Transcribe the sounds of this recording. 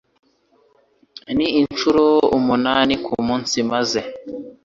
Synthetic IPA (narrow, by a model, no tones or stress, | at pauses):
niint͡ʃuɾoumunanikʰumuːnsimaze